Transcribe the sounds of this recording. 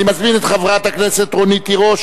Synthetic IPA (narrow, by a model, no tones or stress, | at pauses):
imazminet̪χavʁat̪akneset̪ʁonit̪iʁo̞ʃ